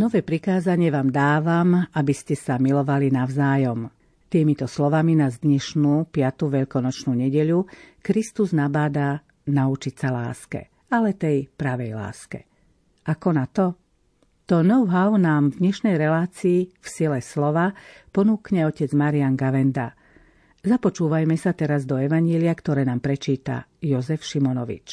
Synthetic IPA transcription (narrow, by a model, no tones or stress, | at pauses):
nɔʋɛːpɾikaːzaɲɪɛʋaːmd̪aːʋamabiscɛsamilɔʋalinaʊzaːjɔm | t̪iːmit̪ɔslɔʋaminazd̪ɲɛʃnuːpɪat̪uʋɛʎkɔnɔt͡ʃnuːɲɛɟɛʎukɾist̪uznabaːd̪a | naut͡ʃicsala̰ːskɛ̰ | alɛt̪ɛjpɾaʋɛjla̰ːskɛ̰ | ʔakɔnat̪ɔ | t̪ɔnɔʊɦaʊnaːmvd̪ɲɛʃnɛjɾɛlaːt͡siːfsilɛslɔʋapɔnuːkɲɛɔcɛd͡zmaɾiaŋɡaʋɛnd̪a | zapɔt͡ʃuːʋajmɛsat̪ɛɾazd̪ɔɛʋaɲɛliakt̪ɔɾɛːnaːmpɾɛt͡ʃiːt̪a̰jɔzɛfʃimɔnɔʋḭt͡ʃ